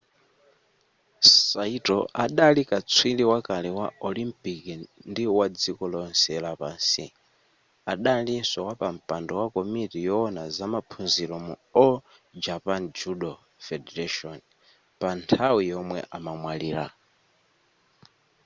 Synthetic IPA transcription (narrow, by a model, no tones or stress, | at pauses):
saitɔ̰ʔaɗalikat͡sʰwiliwakalɛwaɔlimpikindiwad͡zikɔlɔnsɛlapaːnsḭ | aɗalisɔwapam̩pandɔwakɔmitijɔːnazamapʰunziɾɔmuɔ | d͡ʒapand͡ʒuɗɔ | fɛdɛɾaʃɔn | pantʰawijɔmwɛ̰ʔamamwaliːɾa̰